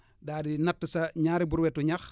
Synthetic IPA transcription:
daːdinɐtːəsɐɲaːɾibuɾwɛtːuɲax

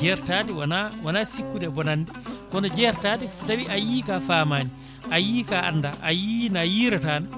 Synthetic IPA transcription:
d͡ʒɛɾtaːtiwanawanasikːuɗɛbɔnanːdɛkɔnɔd͡ʒɛɾtaːtisdawiʔajiːkaːfamaːni | ʔajiːkaʔa̰nːdaʔajinajiːɾataːna

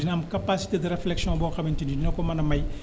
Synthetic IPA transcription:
dinɐmkɐpasi̥teːdəɾeflɛksijɔ̃bɔːxɐbintinidinɐkɔmɐnɐmɐj

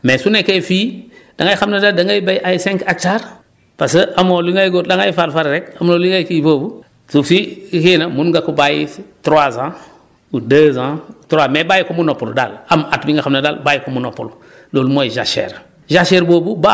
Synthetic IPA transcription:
mesunekefiːd̥aŋɡaixamnadaldaŋɡajibajʔajisɛ̃ŋkat͡ʃaɾ | pasəʔamoliŋajɡodaŋajfaɾfaɾɾekamnoliŋɡajkiboːbu | sufiikinamunŋɡakubajḭtɾwazã | udəzãtɾaːmebaːjikumunopulda̰lamatbiŋɡaxamnada̰lbajikumunopul | loːlumojiʒa̰ʃḛɾ | ʒaʃeɾboːbuba

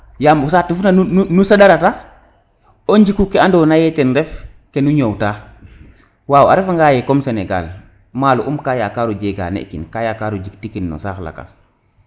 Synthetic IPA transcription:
jaːmbus̬aːtufunanunusaɗaɾata | oɲd͡ʒikukeandonajɛtɛnɾɛf | kenuɲowtaː | waːwa̰ɾɛfaŋɡaːjɛkɔmseneɡa̰l | maːlṵʔumkaːjakaːɾud͡ʒeɡa̰nḛʔkḭnkajakaːɾud͡ʒiktikinːɔ̰sa̰ːxla̰ka̰s

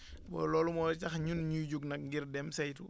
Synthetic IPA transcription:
bɔ̰lɔːlumɔːɾt͡ʃɐxɲunɲud͡ʒuɡnɐk̚ŋɡirdɛmsɐjtu

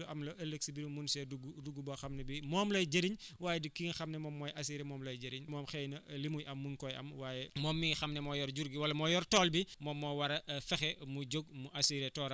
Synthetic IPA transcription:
uʔɐmlɐʔɐlːəksibiɾumunsɛduɡuduɡːubɔxɐmnɛbimɔːmlɐjd͡ʒɐɾiɲwaːjɛdikːiŋxɐmnɛmɔːmːɔːjʔɐsiːɾɛmɔːmlɐjd͡ʒɐɾiɲmɔːmxɛːjnɐlimujʔɐmːuŋkɔjɐ̰mwaːjɛmɔːmːiŋxɐmnɛmɔːjɔɾɟuɾɡiwɐlːɐmɔːjɔrtɔːlbimɔːmːɔːwɐɾɐfɛxɛmuɟoɡ̚muʔɐsiɾɛtɔːɾɐ

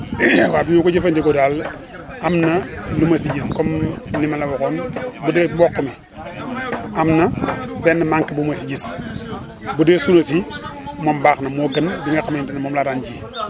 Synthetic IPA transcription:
wabiɲokod͡ʒifandiɡodal | amnalumas̬iɟiskomnimalabokonbudebokːomi | amnabenːamaŋkibumasiɟis | budesunosimombaxnamoɡənbiŋakamentinmomlaɾand͡ʒi

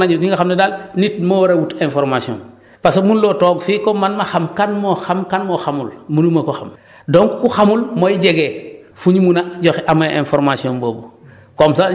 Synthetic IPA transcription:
naɲuniŋɡaxamdedalnit̚mowɾawutenfoɾmasio̰ːn | pasomunlotoːɡfikomanmaxamkanmoxamkanmoxamulmunumɐkuxam | doŋkkuxamulmojiɟeɡeːfuɲimunaɟoxʔamaʔẽnfoɾmasiomboːbu | komsa

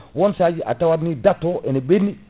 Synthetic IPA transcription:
wɔnsad͡ʒiʔa̰tawaɾnidatːɔʔɛnebenːi

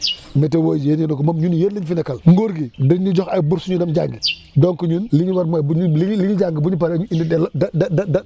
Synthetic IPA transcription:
mɛtewod͡ʒijeninokomamɲunjeɾliɲfinekalŋɡoɾɡidiɲːud͡ʒɔxajbuɾsuɲudamd͡ʒaŋɡi | dɔŋkuɲunliɲwaɾmabuɲliɲliɲid͡ʒaŋɡibuɲip̬aɾeuinidɛldadadada

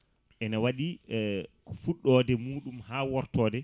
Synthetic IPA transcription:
ʔɛnawaɗi | fuɗːɔːdɛmuːɗumhaːwɔɾtɔːdɛ

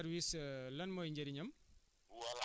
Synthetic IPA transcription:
ɐɾwislɐnmɔjɲd͡ʒɐɾiɲɐm

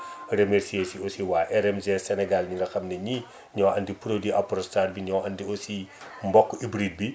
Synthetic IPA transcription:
remeɾsiesiosiwaːʔɛɾɛmzesɛnɛɡalɲiɾɐxɐmnɛɲi | ɲɔwɐ̰ndipɾodiɐpɾɔstat̚biɲɔwɐndiosimbɔkːibɾid̚bi

